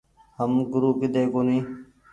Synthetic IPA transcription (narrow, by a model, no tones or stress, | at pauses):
həmɡʊɾuːkɪd̪eːkoːnĩː